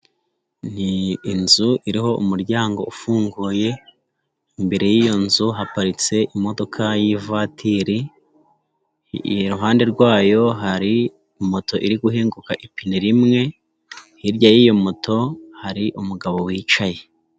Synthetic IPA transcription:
n̥iːnzuʔiɾiɦo̞ʔumuɾɟaːŋɡo̞ufuːŋɡuːje̞ | imbe̞ɾe̞jiːjo̞nzuɦapaɾit͡se̞ʔimo̞do̞kʰajivatʰiɾi | ɾuɦaːnde̞ɾɡwaːjo̞ɦaɾi | moto̞ʔiɾiɡuɦeːŋɡukaʔipiniɾimŋe̞ | hiɾɟajiːjomotʰo̞haɾiʔumuɡaβo̞wiːt͡ʃaje̞

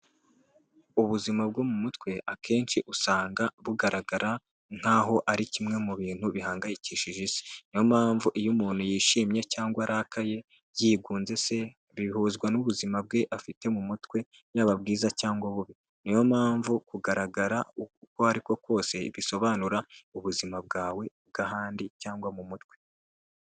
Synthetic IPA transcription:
uβuzimab̚ɡo̞mumutwe̞ʔakʰe̞ːnt͡ʃiʔusaːŋɡaβuɡaɾaɡaɾa | ŋ̥haːɦo̞ʔaɾicimŋe̞muβiːn̥huβihaːŋɡajiciːʃiʒizi̥nijo̞maːɱvuʔijumuːn̥hujiːʃiːmɲe̞caːŋɡwaɾʔakʰaje̞ | jiːɡuːnze̞se̞ | βiihuːzɡwanuβuzimab̚ɡe̞ʔafite̞mumutwe̞ | jaβab̚ɡiːzacaːŋɡwaβuβi | nijo̞maːɱvukuɡaɾaɡaɾauko̞aɾiko̞ko̞ːse̞βiso̞βaːnuɾauβuzimab̚ɡaːwe̞b̚ɡaɦaːndicaːŋɡwamumutwe̞

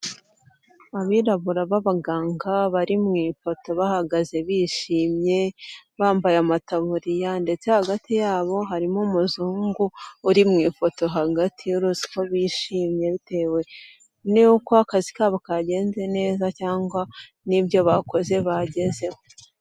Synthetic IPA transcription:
aβiːɾaβuɾaβaβaɡaːŋɡaβaɾimŋiːfo̞to̞βahaɡaze̞βiːʃiːmɲe̞βaːmbajamataβuɾijande̞t͡se̞haɡatijaːβo̞ɦaɾimomuzuːŋɡuːɾimŋiːfo̞to̞ɦaɡatʰiuɾuzi̥ko̞βiːʃiːmɲe̞βite̞ːwe̞ | nejukoakazikaːβokaɟe̞ːnze̞ne̞ːzacaːŋɡwa | nibjo̞βako̞ze̞βaɟe̞ze̞ho

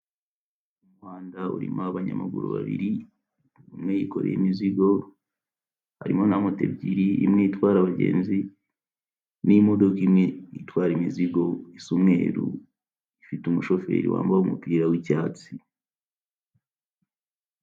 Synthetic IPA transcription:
umwaːndauɾḭmoaβaɲa̰maɡṵɾṵβa̰βḭɾi | umŋejiko̞ɾejimiziɡo̞ | ha̰ɾḭmo̞namutḛbɟiɾiḭmŋeitwaːɾaβaɟḛːnzi | nimodokimŋeitwaːɾimiziɡo̞isumŋe̞ːɾṵ | ifitumuʃo̞fe̞̰ːɾḭwa̰ːmbaumupiːɾawicaːt͡si

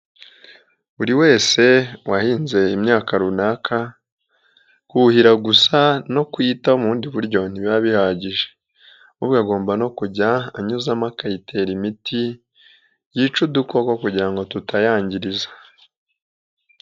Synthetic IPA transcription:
uɾiwe̞ːse̞wahiːnze̞imɲaːkaɾunakʰa | kuhiɾaɡusano̞kwiːtaomuːndiβuɾɟo̞n̥iβaβihaɟiʒe̥ | uβɡaɡo̞ːmbano̞kuɟaːɲuzamakajitʰe̞ːɾimitʰi | jit͡ʃudukokwokuɟiɾaŋɡo̞tutajaːɲɟiɾizḁ

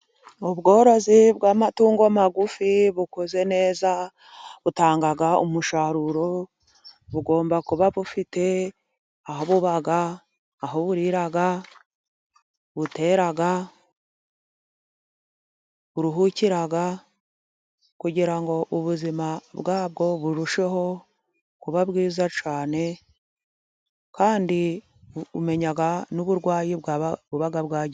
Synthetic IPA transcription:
oβɡo̞ːɾo̞ziβɡaːmatuːŋɡomaɡufiβukoze̞ne̞ːza | βutaːŋɡaɡaṵmuʃaɾuɾo̞ | βuɡo̞ːmbakuβaβufite̞ | aɦoβuβaɡaː | ɦoβuɾiɾaɡa | βute̞ːɾaɡa | βuɾuɦuciɾaɡa | kuɟiɾaŋɡo̞ʔuβuzimaβɡaːβ̚ɡo̞βuɾuʃe̞ɦo̞ | kuβaβɡiːzat͡ʃaːne̞ | kaːndi | ume̞ɲaɡanuβuɾɡwaːjiβuβaɡaβɡaːɟe

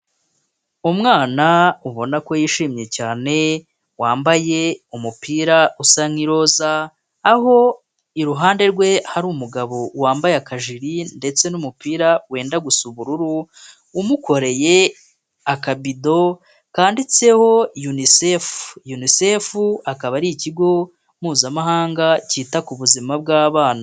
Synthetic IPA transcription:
umŋaːnauβo̞nako̞jiːʃiːmɲe̞caːne̞ | waːmbaje̞umupiːɾausaŋiɾo̞zaː | ɦo̞ | iɾuɦaːnde̞ɾɡwe̞haɾuːmuɡaβo̞waːmbajeakaʒiɾinde̞t͡se̞numupiːɾawe̞ːndaɡusuβuɾuɾuː | muko̞ɾe̞je̞ | akabido̞ | kaːndit͡se̞ho̞junisefu̥junise̞fuakaβaɾiciɡo̞ | muːzamaɦaːŋɡaciːtakuβuzimab̚ɡaːβaːna

